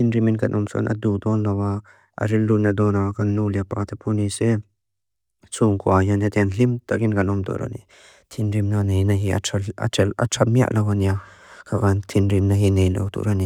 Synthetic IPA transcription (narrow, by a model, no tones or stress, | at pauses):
t̪ʰinɾiminkanʔɔmsɔ̰nʔa̰d̪ud̪ɔnːawa | a̰ɾildunad̪ɔnawakanːuliapat̪ʰepʰunisɛ | t͡suŋkuajanat̪ɛnlimt̪akinkanɔmt̪ɔ̰ɾa̰ni | t̪ʰinɾimnanejnaɦia̰a̰a̰ʈ͡ʂʰamia̰ʔlawania | kʰavant̪ʰinɾimnaɦinejlo̰wt̪ṵʔɾani